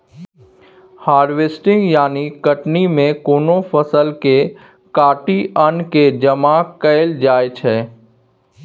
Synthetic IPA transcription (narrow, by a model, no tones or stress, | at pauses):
haːɾʋeːsʈɪ̃ŋɡjaːnikəʈnimẽkoːnopəsəlke | kaːʈiʔənked͡ʒəmaːkəɪld͡ʒaːet͡ʃʰɛː